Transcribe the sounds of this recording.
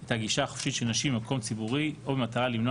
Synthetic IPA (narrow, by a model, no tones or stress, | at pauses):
etaɡiʃaːχofʃitʃelnaʃibemakʰo̞mt͡sibuʁiobemat̪aʁalimno